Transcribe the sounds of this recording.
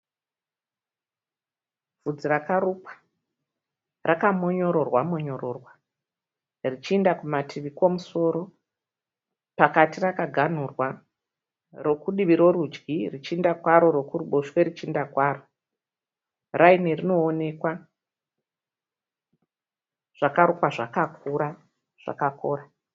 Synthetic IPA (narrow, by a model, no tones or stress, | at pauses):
vud͡zirakarupḁ | rʔakamo̞ɲo̞ɾo̞rwamo̞ɲo̞ɾo̞rwa | rit͡ʃiːndakumatʰiʋikwo̞muso̞ːɾo̞ | pakatirakaɡʱan̤urwa | ro̞kuɗiʋiɾo̞ɾud͡ʒɡirit͡ʃindakwaɾo̞ɾo̞kuruɓo̞ʃwe̞ɾit͡ʃindakwaːro | rainerino̞ːne̞kwa | ʐ̥akaɾukwaʐakakuɾa | ʐ̥a̰kako̰ːɾa